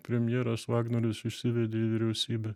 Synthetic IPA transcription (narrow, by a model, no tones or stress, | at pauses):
pʲɾʲɛmʲjɛɾɐsʋɑːɡnoɾʲɪsɪʃʲsʲɪʋʲɛd̪ʲeːiʋʲɪɾʲɛʊsʲiːbʲɛ